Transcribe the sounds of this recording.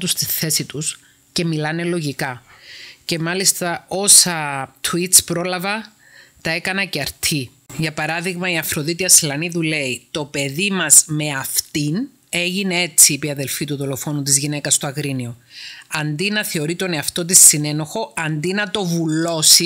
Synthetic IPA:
t̪ust̪iθe̞sit̪us | ce̞milɐne̞lo̞ʝikɐ | ce̞mɐlist̪ɐo̞sɐt̪ʰuit͡spɾo̞lɐvɐ | t̪ɐe̞kɐnɐceɐɾt̪ʰi | ʝɐpɐɾɐðiɣmɐiɐfɾo̞ðit̪iɐslɐniðule̞it̪o̞pe̞ðimɐzme̞ɐft̪in | e̞ʝinee̞t͡sːiːpiɐðe̞lfit̪uðo̞lo̞fo̞nut̪̬izʝine̞kɐst̪oɐɣɾinio̞ɐnd̪inɐθeoɾit̪o̞ne̞ɐft̪o̞t̪̬isːine̞no̞xo̞ɐnd̪inɐt̪o̞vulo̞si

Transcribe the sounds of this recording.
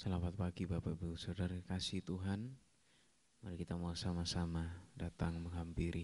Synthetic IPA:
səlafat̪̚paɡibapa̰ʔbusadaɾakasiht̪uɦan | maɾikit̪amalasamasamadat̪aŋməŋɦampiɾʔi

